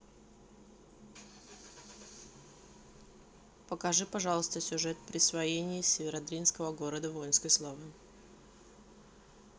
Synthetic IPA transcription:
pəkɐʐɨpɐʐɑlˠəst̪əsʲʊʐɛt̪̚pɾʲɪsvɐjenʲɪːsʲɪvʲɪɾɐd̪ɾʲinskəvəɡo̞ɾəd̪əvojɪnskəjslˠovɨ

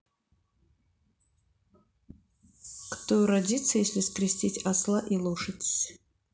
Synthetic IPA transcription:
kt̪oɾadʲit̪sːəjesʲlʲɪskɾʲɪsʲtʲitʲaslˠaʔilˠuʂɨtʲsʲ

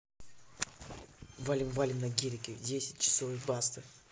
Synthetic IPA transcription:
valʲɪmvalʲɪmnɐɡʲiɾʲɪkʲɪdʲesʲɪ̥tʲt͡ʃɪ̥sovɨbast̪ɨ

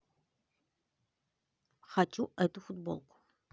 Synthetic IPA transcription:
xat͡ʃuʔɛt̪ʊfʊd̪bo̰lˠkʊ̥

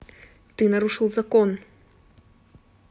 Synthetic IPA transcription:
t̪ɨnaɾuʂɨlˠzakɔn

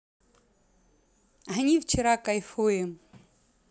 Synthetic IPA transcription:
ɦnʲift͡ɕɪɾakɐjfojɪm

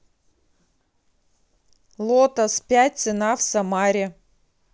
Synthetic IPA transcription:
lˠot̪əspʲæt̚ʲsɨnafsɐmaɾʲɪ

